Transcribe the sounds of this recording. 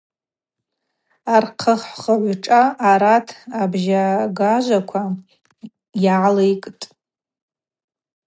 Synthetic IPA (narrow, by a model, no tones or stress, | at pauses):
arqʰəχχəʕʷʈ͡ʂʼaʔːɾatʰabʒaɡaʒʷakʷʰa | jalejkʼtʼ